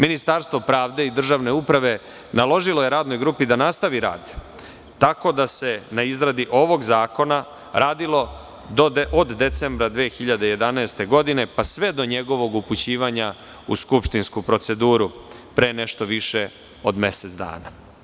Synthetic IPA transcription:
minist̪aɾst̪ʋo̞pɾaːʋd̪e̞id̪r̩ʒaʋne̞upɾaʋe̞ | nalˠo̞ʒilo̞jeɾaːd̪no̞jɡɾuːpid̪anast̪aʋiɾa̰ːd̪ | t̪ako̞d̪ase̞naizɾad̪iʔo̞ʋo̞ɡzaːko̞na | ɾʔaːd̪ilo̞ | d̪oʔod̪ːe̞t̪sembɾad̪ʋeːxiʎad̪eje̞d̪anaest̪e̞ɡo̞d̪ine̞pasʋe̞d̪o̞ɲe̞ɡo̞ʋo̞ɡuput͡ɕiːʋaɲa | ṵskupʃt̪inskupɾo̞t̪se̞d̪uːɾu | pɾe̞ːne̞ʃt̪o̞ʋiʃe̞ | o̞d̪me̞set̪zd̪a̰ːna

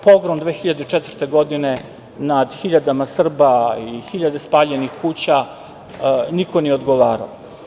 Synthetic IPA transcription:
po̞ɡɾomd̪ʋeːxiʎad̪et͡ʃet̪vr̩t̪e̞ɡo̞d̪ine̞ | nad̪xiʎad̪amasr̩baixiʎad̪e̞spaːʎe̞nixkuːt͡ɕa | niko̞nijeo̞d̪ɡo̞ʋaːɾa̰o

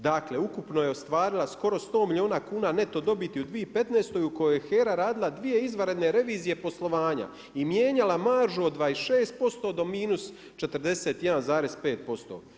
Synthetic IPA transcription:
d̪akle̞ukupnoje̞ost̪ʋaːɾilˠasko̞ɾo̞st̪o̞ːmilʲio̞ːnakuːnaːne̞t̪o̞d̪o̞bit̪iud̪ʋiːpe̞t̪neːst̪o̞juko̞jojexe̞ːɾaɾaːd̪ilˠad̪ʋije̞izʋaɾe̞d̪ne̞ɾe̞ʋiːzije̞po̞slˠo̞ʋaːɲa̰ | imjeːɲalamaɾʒuod̪ːʋaesʃeːst̪̚po̞st̪o̞d̪o̞miːnus | t͡ʃe̞t̪ɾd̪e̞se̞ːt̪je̞d̪anzaːɾe̞zpe̞ːt̪̚po̞st̪o̰

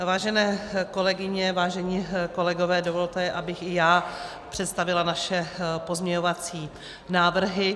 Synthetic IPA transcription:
vaːʒɛnɛːko̞lɛɡɪɲɛvaːʒɛɲiːko̞lɛɡo̞vɛːdo̞vo̞lt̪ɛʔabɪxɪjaː | pr̥ɛt̪st̪avɪlanaʃɛpo̞zmɲɛɲo̞vat͡siː | naːvr̩ɦɪ

